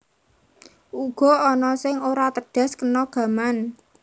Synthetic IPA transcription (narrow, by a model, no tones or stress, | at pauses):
uɡ̥ɔ̤ɔnɔsɪŋoɾat̪əɖ̥a̤skənɔɡ̥ä̤man